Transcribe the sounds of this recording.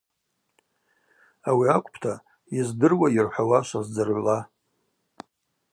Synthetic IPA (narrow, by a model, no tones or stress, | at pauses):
awiakʷʼpʰtʰa | izdɨrwajɪrħʷawaʃʷazd͡zɨrʕʷla